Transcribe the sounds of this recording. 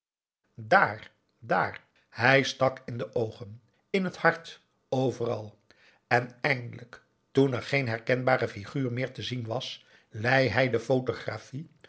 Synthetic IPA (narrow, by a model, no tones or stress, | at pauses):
daːɹ | da̰ːɹ | hɛjstɑkɪndəʔowχən | ɪnɦəthɑɹt | owvərɑlˠ | ɛnɛjndələk | tunɛɹχejnɦɛɹkɛnbaːɾəfiχyːɹmɪːɹtəzinʋɑs | lɛjɦɛjdəfowtoχrafi